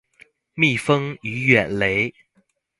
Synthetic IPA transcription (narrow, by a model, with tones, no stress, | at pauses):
mi˥˨fɤ˥ŋy˧˥ɥɛ˨˩nle˨˧˥ɪ